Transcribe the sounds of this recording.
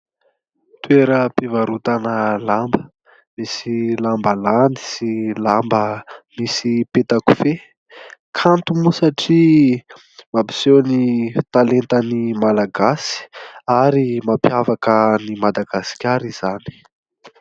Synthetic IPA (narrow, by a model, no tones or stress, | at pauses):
t̪weɾəpivaɾut̪anəlambə | misilambəland̪i̥silambəmisipet̪aku̥fe | kʰant̪umusaʈ͡ʂi | mabi̥sewnit̪alent̪ənimalaɡasi̥aɾimampjavakənimad̪aɡasi̥kʲaɾiz̥ani̥